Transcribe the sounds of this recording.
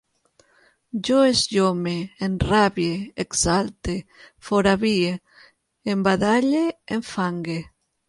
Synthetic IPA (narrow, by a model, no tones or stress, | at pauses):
d͡ʒoezʎomeːnraβjeeksalt̪efoɾaβie | embaðaʎeːɱfaŋɡe